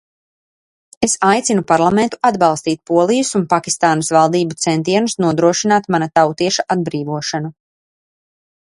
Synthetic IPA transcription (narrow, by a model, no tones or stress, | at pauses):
esajt̪sinupaɾlˠamɛnt̪u̥ad̪bɑlˠst̪iːt̪̚puɔlˠijusunpakʲist̪aːnusvalˠd̪iːbut̪sɛnt̪iɛnusnuɔd̪ɾuɔʃinaːt̪manat̪awt̪iɛʃaʔad̪̚bɾiːvuɔʃanu